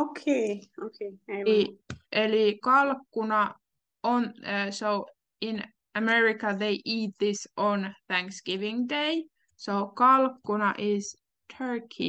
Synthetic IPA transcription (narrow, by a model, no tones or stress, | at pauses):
okʰeokʰeeiʔelikɑlkːunɑ | ʔonsoʊ | ĩn | əmɛɹikəðeɪʔiːt̪̚ðɪsʔɔnθæ̃ŋksɡ̥ɪʋɪ̃ŋdeɪ | soʊkɑlkːunɑʔɪz | tʰɜ˞kʰḭ